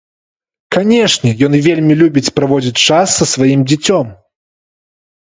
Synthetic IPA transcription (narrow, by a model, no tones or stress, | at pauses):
kanʲɛʂnʲɛjɔnvʲelʲmʲilʲubʲit͡sʲpɾavɔd͡zʲit͡sʲt͡ʂasːɐsvajimd͡zʲɛt͡sʲɔm